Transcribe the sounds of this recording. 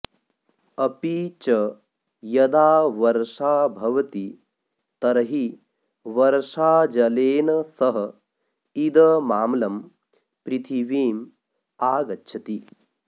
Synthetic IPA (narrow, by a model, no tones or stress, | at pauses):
ɐpit͡ʃɐ | jɐd̪aːʋɐɾʂaːbʱɐʋɐt̪i | t̪ɐɾɐɦi | ʋɐɾʂaːd͡ʒɐleːnɐsɐɦɐ̆ | id̪ɐmaːmlɐm | pɾit̪ʰiʋiːm | aːɡɐtːʃʰɐt̪i